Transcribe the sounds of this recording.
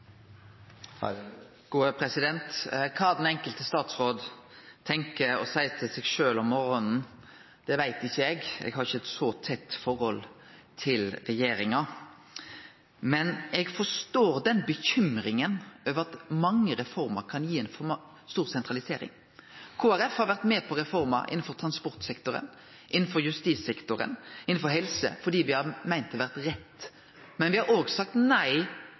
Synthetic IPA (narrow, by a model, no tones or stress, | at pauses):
ɡ̥uːəpʰɾɛsɪd̪ɛnt̪kʰɑːd̪ɛnɛŋkəlt̪əst̪ɑːt̪sʁoːd̪ | t̪ʰɛŋkəɔsæɪt̪ʰɪsɛɡʃøːlɔmmɔɾɔnn̩ | d̪̥ɛʋæɪt̪ɪçːəɛɡɛ̰ɡhɑɾɪçəɛt̪sɔt̪ʰɛt̪ːfɔɾhɔl | t̪ʰɪlɾɛjeːɾɪŋɑ | mɛnɛɡfɔʂt̪oːɾd̪ɛnbəçʏmɾɪŋənøːʋəɾɑt̪mɑŋːəɾɛfɔɾmɑɾkʰɑnjiːɛnfɔm | st̪uːɾsɛnt̪ʁɑlɪseːɾɪ̰ŋ | kʰoːæɾɛfhɑɾʋæʁt̪mɛːpʰɔɾɛfɔɾmɑ̰ʔɪ̰nn̩fɔɾt̪ʰɾɑnspɔʁt̪sɛkt̪ʊɾə̰n | ʔɪnːn̩fɔɾjʉst̪iːsɛkt̪ʊɾə̰nɪn̩fɔɾɦɛlsə̰fɔɖ̪iːʋɪhɑmæɪnt̪ʰɔʋæʁt̪ɾɛt̪ː | mɛnʋɪhɑɾoːɡsɑk̚t̪næɪ